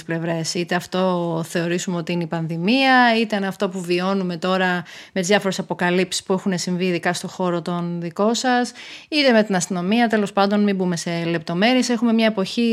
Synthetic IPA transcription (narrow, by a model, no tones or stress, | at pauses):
sple̞vɾe̞sit̪e̞ɐft̪o̞θe̞o̞ɾisumeo̞t̪iineipɐnðimiɐit̪enɐft̪o̞puvio̞nume̞t̪o̞ɾɐme̞t̪izðʝɐfo̞ɾe̞sɐpo̞kɐlipsi̥spuexune̞siɱviːðikɐst̪o̞xo̞ɾo̞t̪o̞nðiko̞sɐsit̪eme̞t̪inɐst̪ino̞miɐt̪e̞lo̞spɐnd̪o̞nmimbume̞se̞le̞p̚t̪o̞me̞ɾiese̞xume̞mɲɐe̞po̞çi